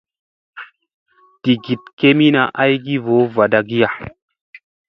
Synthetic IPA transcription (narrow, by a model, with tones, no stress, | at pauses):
ti˨ɡi˨t̚ke˦mi˦na˨ʔa˦jɡi˦vo˨˦va˨da˨ɡi˦ja˨